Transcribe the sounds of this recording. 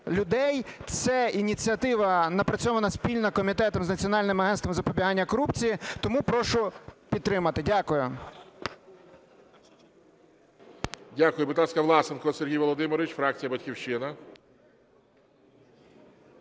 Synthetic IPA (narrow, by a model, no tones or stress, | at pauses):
lʲʊd̪ɛjt̪sɛinʲit͡sʲiɐt̪ɪʋɐnɐpɾɐt͡sʲɔʋɐnɐsʲpʲilʲnɐkɔmʲit̪ɛt̪ɔmznɐt͡sʲiɔnɑlʲnɪmɐɦɛnst̪ʋɔmzɐpɔbʲiɦɑnʲːɐkɔɾupt͡sʲijit̪ɔmupɾɔʃʊpʲid̪t̪ɾɪmɐt̪ɪdʲakʊjʊ | dʲakʊjʊbɪt̪ɑskɐʋlˠɑsenkɔserɦijʋɔlˠɔd̪ɪmɪɾʋʲt͡ʃfɾɑk̚t͡sʲijɐbɐtʲkʲiwt͡ʃːɪnɐ